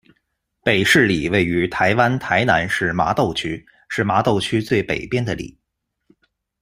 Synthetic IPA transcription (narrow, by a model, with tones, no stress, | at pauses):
pe˨˩ɪʂɻ̩˥˩li˨˩we˥˩ɪy˧˥t̪ʰa˧˥ɪwa˥nt̪ʰa˧˥ɪna̰˧˥nʂɻ̩˥˩ma̰˧˥t̪o˥˩ʊt͡ɕʰy˥ | ʂɻ̩˥˩ma˧˥t̪o˥˩ʊt͡ɕʰy˥t͡swe˥˩ɪpe˨˩ɪpjɛ˥nd̪ə˨lḭ˨˩˦